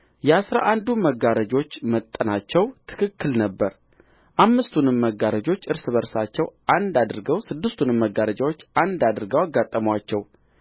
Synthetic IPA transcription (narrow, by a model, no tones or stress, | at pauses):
jɛasɾa̰ʔand̪uməɡaɾəd͡ʒo̞t͡ʃːmət̪ʼːənat͡ʃːɛwt̪ʰɨ̥kʰɨkːɨlnəbːəɾ | ʔamːɨst̪ʰunɨmːəɡːaɾəd͡ʒo̞t͡ʃːɨɾsɨβəɾsat͡ʃːɛwʔand̪ad̪ɨɾɡəwsɨd̪ːɨst̪ʰunɨmːəɡaɾəd͡ʒawo̞t͡ʃːand̪ad̪ɨɾɡəwaɡːat̪ʼːəmwat͡ʃːɛw